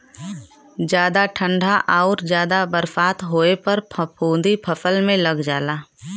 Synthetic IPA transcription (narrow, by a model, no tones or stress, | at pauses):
d͡ʒjaːd̪aʈʰə̃ɳɖʱaʔaːɾd͡ʒjaːd̪abəɾfaːt̪ɦoːepɐɾpʰpʰũːd̪ipʰɐfəlmẽlɐɡd͡ʒaːlaː